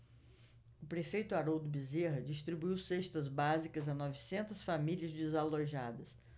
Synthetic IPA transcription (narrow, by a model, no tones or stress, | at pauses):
ʊpɾefejt̪ʊaɾowd̪ʊbizeɦɐd͡ʒist̪ɾibuiwseʃt̪ɐzbazikɐzɐnɔvisẽnt̪ɐsfamiliɐzd͡ʒɪzaloʒad̪ɐs